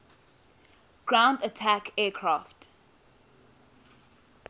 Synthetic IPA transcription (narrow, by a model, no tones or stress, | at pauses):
ɡ̥ɹãʊ̃ndətʰakʰɛːkʰɹaft